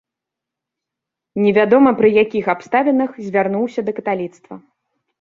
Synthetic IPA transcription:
nʲɛvʲad̪ɔmɐpɾɨjakʲixapst̪avʲɛnɨxzʲvʲarnuwsʲɐd̪ɐkɐt̪alʲit̪st̪vɐ

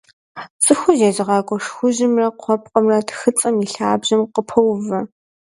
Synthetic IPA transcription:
t͡sʼɨxʷʊʒeːzɨʁɑːkʷʼɔʂxʷʊʑɪmrɐqʷʰɔp̚qʼɐmrɐtʰxɨt͡sʼɐmiɬaːbʑɐmqəpʰɐwvɐ

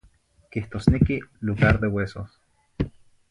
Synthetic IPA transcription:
kiht̪oːsnekiluɣaɾd̪ewesos

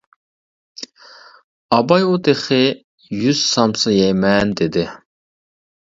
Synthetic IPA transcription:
ɑbɑjut̪eχɪ | jyz̥sɑmsɨjɛjmɛnd̪ed̪ɪ

